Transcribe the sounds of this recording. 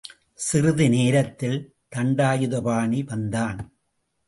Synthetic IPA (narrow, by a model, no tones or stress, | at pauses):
sɪɾɯðɪneːɾɐt̪ːɪl | t̪ɐɳɖaːjɯðɐpaːɳiʋɐnd̪aːn